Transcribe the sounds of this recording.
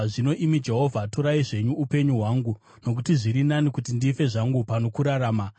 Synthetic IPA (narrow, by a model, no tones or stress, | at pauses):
ʐino̞ʔimid͡ʒe̞ɦo̞vʱatoɾaiʐe̞ɲuːpe̞ɲuɦwaːŋɡu | no̞k̬utiʐiɾinanikutindife̞ʐaŋɡupanokuɾaɾaːma